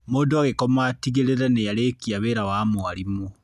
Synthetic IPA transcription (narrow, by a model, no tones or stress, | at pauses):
moːndoaɣekɔmatiɣeɾeɾɛnejaɾekiaβeːɾawamwaɾimo